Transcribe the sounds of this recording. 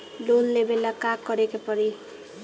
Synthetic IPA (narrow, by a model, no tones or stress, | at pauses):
lonlebelakakːʌɾekepʌɾi